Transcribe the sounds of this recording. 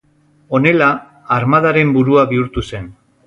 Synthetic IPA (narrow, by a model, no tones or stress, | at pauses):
o̞ne̞laː | ɾmað̞aɾe̞mbuɾuaβiuɾt̪use̞n